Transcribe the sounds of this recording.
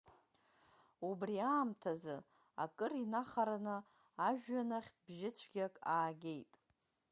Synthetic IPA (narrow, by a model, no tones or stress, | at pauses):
ubriaːmtʰazɨ | a̰kʼɨrinaχaɾanɨ | aʒᶣːanaχʲt̚ʰbʒɪt͡ɕʷʰɡʲakʼaːɡʲe̞jtʼ